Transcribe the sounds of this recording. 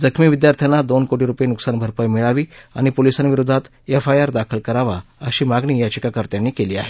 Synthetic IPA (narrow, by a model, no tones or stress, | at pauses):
d͡zəkʰmiːʋid̪jaɾt̪ʰjanad̪onkoʈiːɾupjenuksanbʱəɾpəjmiɭaʋiːa̰ɽ̃ipolisanʋiɾod̪ʱat̪ | efajaɾd̪akʰəlkəɾaʋaəɕiːmaɡɳiːjat͡ɕikakəɾt̪janːiːkeliːa̰ɦe